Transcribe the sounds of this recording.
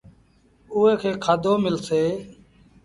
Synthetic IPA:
uːɦeːkʰeːkʰaːd̪oːmɪlseː

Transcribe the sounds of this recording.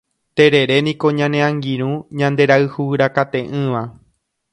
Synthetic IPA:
t̪e̞ɾe̞ɾe̞nĩko̞ɲãnẽãŋɡĩɾ̃ũɲãnd̪e̞ɾaɨhuɨɾakat̪ẽ̞ʔɨ̃ʋa

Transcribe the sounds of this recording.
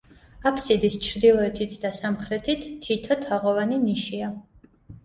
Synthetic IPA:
apʰsid̪ist͡ʃʰɾd̪ilˠɔɛt̪ʰit̪ʰd̪asamχɾɛt̪ʰit̪ʰːit̪ʰɔt̪ʰaʁɔvaniniʃia

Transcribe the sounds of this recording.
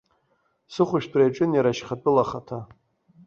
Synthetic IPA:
sɨχʷʊʃᶣbrajʈ͡ʂʼɨnjaɾaʃχat͡pʼɨlaχatʰa

